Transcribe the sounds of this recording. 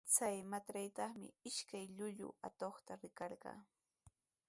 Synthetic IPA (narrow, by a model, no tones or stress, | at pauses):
t͡sajmat̪ɾajt̪ɑχmɪ̰ɪʃkajʎʊʎʊ̰a̰t̪oχt̪aɾɪkɑɾɢɑ̰ː